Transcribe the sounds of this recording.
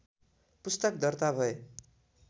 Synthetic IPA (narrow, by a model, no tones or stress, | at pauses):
pust̪ʌkd̪ʌrt̪abʱʌe